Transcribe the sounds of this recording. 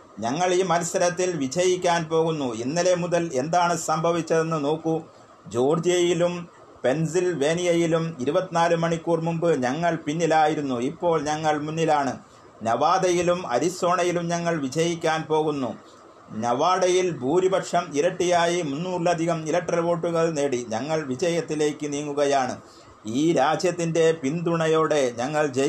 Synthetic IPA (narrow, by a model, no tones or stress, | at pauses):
ɲɐŋːɐɭiːmɐlsɐɾɐt̪ːilʋid͡ʑɐjikʲːaːnpo̞ːɣunːuinːile̞muðɐle̞nd̪aːɳɨsɐmbʱɐʋit͡ɕːɐðe̞nːɨno̞ːkːu | d͡ʑo̞ːrd͡ʑijɐjilum | pe̞nsilʋe̞ːnijɐjilumiɾubɐt̪ːinaːlumɐɳikːuːrmumbɨɲɐŋːɐɭpinːilaːjiɾunːuipːo̞ːɭɲɐŋːɐɭmunːilaːɳɨ | nɐʋaːd̪ɐjilumɐ̰ɾiso̞ːɳɐjilumɲɐŋːɐɭʋid͡ʑɐjikʲːaːnpo̞ːɣunːṵ | ɲɐʋaːɽɐjilbʱuːɾibɐkʂɐmiɾɐʈːijaːjimunːuːrlɐd̪ʱiɣɐmilɐkʈːrɐlʋo̞ːʈːuɣɐɭne̞ːɽiɲɐŋːɐɭʋid͡ʑɐjɐt̪ːile̞ːkːɨniːŋːuɣɐjaːɳɨ̰ | iːɾaːd͡ʑjɐt̪ːinde̞pind̪uɳɐjo̞ːɽe̞ɲɐŋːɐɭd͡ʑe